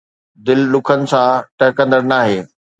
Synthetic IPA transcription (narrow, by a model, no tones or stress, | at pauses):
d̪ɪllʊkʰənɪ̆sãʈɐɦkɐ̃nd̪əɽnaːɦeː